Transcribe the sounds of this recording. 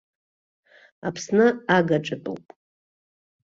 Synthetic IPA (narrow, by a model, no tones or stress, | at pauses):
apʰsnɨaɡaʈ͡ʂʼɨpʼɨ̰wpʼ